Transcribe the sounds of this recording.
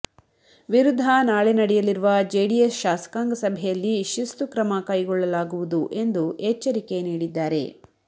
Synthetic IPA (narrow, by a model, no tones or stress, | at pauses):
ʋiɾud̪ʱːɐnaːɭenɐɽɛjɐliɾuʋɐd͡ʒeːɽijesʃaːsɐ̥kaːŋɡɐsɐbʱɛjɐlːiʃist̪ukɾɐmɐkɐjiɡɔɭːɐlaːɡuʋud̪uʔe̞nd̪uʔet͡ʃːɐɾike̞niːɽid̪ːaːɾe̞̰